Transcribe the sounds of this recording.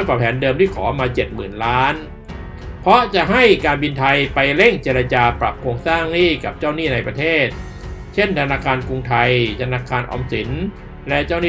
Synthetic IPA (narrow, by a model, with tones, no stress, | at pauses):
paː˨˩pʰɛː˩˦ndɤː˧mt̪ʰiː˥˩kʰɔ̰ː˩˦maː˧t͡ɕe˨˩t̪̚mɯː˨˩nlaː˦˥n | pʰɾɔ˦˥t͡ɕa˨˩ʔɦa˥˩jkaː˧nbi˧nt̪ʰa˧jpa˧jle˥˩ŋt͡ɕeː˧ɾa˧t͡ɕaː˧pɾa˨˩p̚kʰɾoː˧ŋsaː˥˩ŋniː˥˩ka˨˩p̚t͡ɕaː˥˩wniː˥˩na˧jpɾa˧t̪ʰeː˥˩t̪̚ | t͡ɕʰe˥˩nt̪ʰa˧naː˧kʰaː˧nku˧ŋt̪ʰa˧jt̪ʰa˧naː˧kʰaː˧nʔɔ̰˧msi˩˦n | lɛ˦˥ʔt͡ɕaː˥˩wniː˥˩